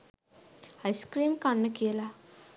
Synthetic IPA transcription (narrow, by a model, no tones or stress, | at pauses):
ajskɾiːmkanːəkijəla